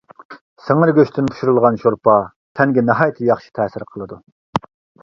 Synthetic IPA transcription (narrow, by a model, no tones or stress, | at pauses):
seŋɪɾɡʲøʃt̪ʰɪnpʰu̥ʃuɾulˠʁɑnʃoɾpʰɑ | t̪ʰɛŋɡʲɛnɑɦɑjt̪ʰɨjɑχʃi̥t̪ʰɛːsɪɾqʰəlˠɨd̪u